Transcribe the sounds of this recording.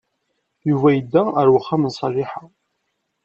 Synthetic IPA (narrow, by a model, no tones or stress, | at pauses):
juvæjəd̪ːæəɾwəχːamənsˤɑʒɪħa